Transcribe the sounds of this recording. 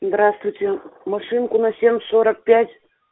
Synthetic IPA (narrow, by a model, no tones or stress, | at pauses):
zd̪ɾast̪vʊjtʲemɐʂɨnkʊnɐsʲemʲsoɾɐk̚pʲætʲ